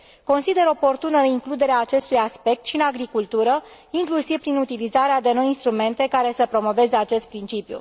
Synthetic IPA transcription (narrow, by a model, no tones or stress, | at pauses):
ko̞nsid̪e̞ɾo̞po̞rt̪unəiŋklud̪e̞ɾeaːt͡ʃe̞st̪ujaspe̞k̚t̪ʃiɨnaɡɾikult̪uɾə | iŋklusiv̥pɾinut̪ilizaɾead̪e̞no̞jinst̪ɾume̞nt̪e̞kaɾe̞səpɾo̞mo̞ve̞zeat͡ʃe̞st̪̚pɾint͡ʃipjṵ